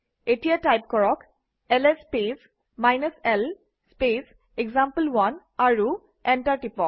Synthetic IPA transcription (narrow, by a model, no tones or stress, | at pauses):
etijatajp̚kɔɹɔk | ɛlɛspes | majnəsɛl | spes | eɡzampəlwan | aɹu | ɛntaɹʈipɔk̚